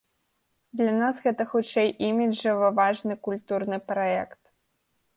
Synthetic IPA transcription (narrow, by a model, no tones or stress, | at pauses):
d̪lʲanasɣɛt̪ɐxut͡ʂɛjʔimʲiɐvɐvaʐnɨkulʲt̪urnɨpɾaɛkt̪